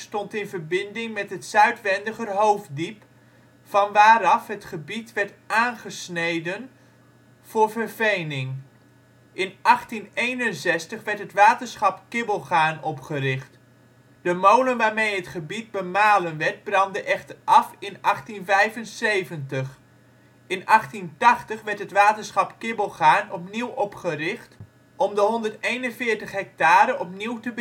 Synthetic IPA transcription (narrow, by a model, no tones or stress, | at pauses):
stɔntɪnvəɹbɪndɪŋmɛtɦətsœɥtʋɛndəχərɦowfdip | fɑnʋaːɾɑfɦətχəbitʋɛɹtʔaːnχəsnejdən | v̥ʊːɹvəɹvejnɪŋ | ʔɪnʔɑχtinejnənsɛstəχʋɛɹtɦətʋaːtəɹsχɑpkɪbəlˠχaːnɔpχəɾɪχt | d̥əmownənʋaːɹmejətχəbit̚bəmaːlənʋɛɹt̚brɑndəʔɛχtərɑfɪnɑχtinvɛjvənsejvəntəχ | ɪnʔɑχtintɑχtəχʋɛɹtɦətʋaːtənsχɑpkɪbəlˠχaːnɔpniwɔpχərɪχt | ɔmdəɦɔndərtejnənvɪːɹtəχɦɛk̚taːɾənɔpniwtəb